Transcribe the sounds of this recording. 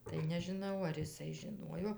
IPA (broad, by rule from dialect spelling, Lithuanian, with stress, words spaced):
tɐɪ nʲɛʒʲɪˈnɐʊ ɐr ɪˈsɐɪ ʒʲɪˈnuɔjoː